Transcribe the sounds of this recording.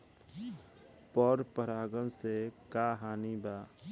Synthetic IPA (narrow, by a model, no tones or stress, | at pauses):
pɔɾpəɾaːɡənsekaɦaːniba